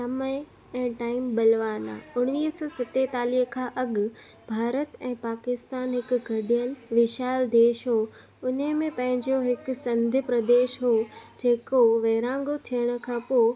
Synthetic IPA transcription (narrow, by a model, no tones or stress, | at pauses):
sɐməɪ | ɛ̃ːʈaːɪmbɐlʋaːna̰ːʊɽ̃niːɦsɔːsɪt̪et̪aːliɦkʰãːʔɐɠ | bʱaːɾət̪ɛ̃ːpaːkɪst̪aːnɦɪkʊɡʱɐɗijən̆ʋɪʃaːld̪eːʃɦo | ʊnemẽpɐ̃ɦɪ̃ɲd͡ʑoɦɪksɐ̃nd̪ʱɪpɾɐd̪eːʃɦod͡ʑeːkoʋeːɾãːŋɡot̪ʰijəɽ̃ʊ̆kʰãːpoː